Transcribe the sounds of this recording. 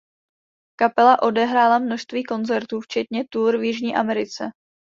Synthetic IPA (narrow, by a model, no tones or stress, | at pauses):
kapɛlaʔo̞dɛɦɾaːlamno̞ʃst̪viːko̞nt͡sɛɾt̪uːft͡ʃɛt̪ɲɛt̪uɾvjɪʒɲiːʔamɛɾɪt͡sɛ̰